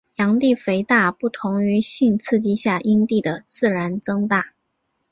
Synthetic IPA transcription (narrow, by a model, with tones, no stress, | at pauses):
jɑ˧˥ŋt̪i˥˩fe˧˥ɪt̪a˥˧pu˥˩t̪ʰʊ˧˥ŋy˧˥ɕi˥˧nt͡sʰɹ̩˥˧t͡ɕi˥ɕja˥˩ʔi˥nt̪i˥˩d̪ə˩t͡sɹ̩˥˩ɻa˧˥nt͡sɤ˥ŋt̪a˥˩